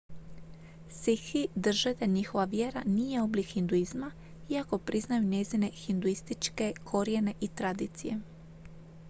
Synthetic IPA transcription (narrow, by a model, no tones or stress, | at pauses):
sixid̪r̩ʒed̪aɲixo̞ʋaʋje̞ɾanije̞o̞blikhind̪uizma | iako̞pɾʔiznajuɲe̞zine̞xind̪uist̪it͡ʃke̞kʰo̞ɾijene̞ʔit̪ɾad̪iːt̪sije̞